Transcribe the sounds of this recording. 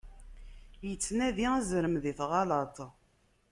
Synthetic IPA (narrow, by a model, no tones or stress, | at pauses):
jət͡sːnæðiæzɾəmðiθʁɑlɑt̪ˤ